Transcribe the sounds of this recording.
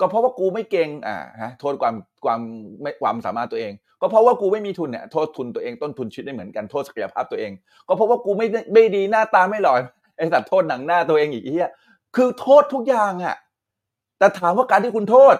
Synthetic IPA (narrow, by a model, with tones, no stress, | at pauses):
kɔː˥˩ɔ˦˥waː˥˩kuː˧ma˥˩jke˧ŋʔa̰ː˨˩ha˦˥t̪ʰoː˥˩kʰwaː˧mkwaː˧mːa˥˩kwaː˧msaː˩˦maː˥˩t̪ːu˧ʔeː˧ŋ | kɔː˥˩pʰɾɔ˦˥waː˥˩kuː˧ma˥˩jmiː˧t̪ʰu˧nḭ˨˩t̪ʰoː˥˩t̪ʰːu˧nt̪u˧ɐʔeː˧ŋt̪o˥˩nt̪ʰu˧nt͡ɕʰi˦˥da˥˩mɯ˩˦ənka˧nt̪ʰo˥˩t̪̚sḁ˧ka˧ja̰˧pʰaː˥˩p̚t̪u˧ɐ˧ʔeː˧ŋ | kɔː˥˩pʰo˦˥p̚waː˥˩kuː˧ma˥˩ja˥˩ma˥˩jdiː˧naː˥˩t̪aː˧ma˥˩jlɔ˨˩j | ʔa˧˩sa˨˩t̪ʰːoː˥˩t̪̚na˨˩˦ŋnaː˥˩t̪u˧ɐʔeː˧ŋʔiː˨˩k̚t͡ɕi˥˩ɐ | kʰɯː˧t̪ʰoː˥˩t̪ʰːu˦˥k̚jaː˨˩ŋʔa̰˨˩ | t̪ɛː˨˩t̪ʰaː˨˦mwaː˥˩kaː˧nt̪ʰiː˥˩kʰu˧nt̪ʰoː˥˩t̪̚